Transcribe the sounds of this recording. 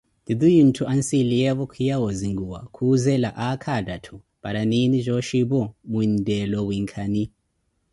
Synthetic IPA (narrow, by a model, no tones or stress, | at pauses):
did̪ujin̩tʰuʔansilijɛβɔkʰijawɔziŋɡuwa̰kʰuzɛlaʔakʰadatʰu | paɾaniniʒʷɔʃiβɔmuindɛlɔwiŋkʰani